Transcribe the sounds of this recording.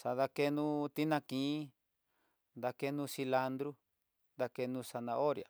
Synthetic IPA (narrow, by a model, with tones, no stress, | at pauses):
sa˧ða˧ke˦nũ˦t̪i˦nã˧kĩ˨˦ | nd̪a˧ke˧nũː˦˧si˧la˧nd̪ɾu˦ | nd̪a˧ke˧nũ˦˧sa˧nã˧ʔo˦ɾja̰˨